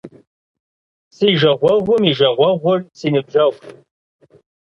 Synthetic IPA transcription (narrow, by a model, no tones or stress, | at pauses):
siːʒɐʁʷɔʁʷʊmiʒɐʁʷɔʁʷʊrsiːnɨb̚ʒɐʁʷ